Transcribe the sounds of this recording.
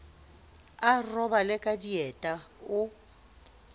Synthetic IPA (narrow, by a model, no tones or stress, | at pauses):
arɔbalɪkʼadiɛtʼaʊ